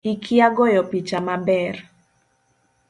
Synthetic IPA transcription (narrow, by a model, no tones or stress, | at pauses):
ikʰiaɡɔjɔpit͡ʃamabɛr